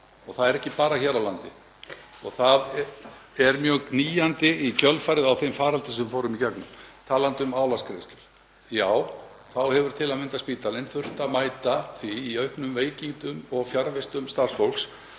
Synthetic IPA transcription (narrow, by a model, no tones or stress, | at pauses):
ɔɣθaðɛɾɛhcɪpaːɾaçɛːɾawlant̪ɪ | ɔɣθað | ɛɾmjœːɣkniːjant̪ɪicʰœlfajɾɪðawθejmfaːɾalt̪ɪsɛmfoːwɾʏmicɛknʏmt̪ʰaːlant̪ʏmaːwlaskʰɾejst̪lʏɾ̥ | jaːw | θawhɛvʏɾ̥t̪ʰɪlamɪnt̪aspiːt̪alɪnθʏr̥t̪amaːjt̪aθviːœɥhpnʏmveːjciŋt̪ʏmɔɣfjaɾvɪst̪ʏmst̪ar̥sfowls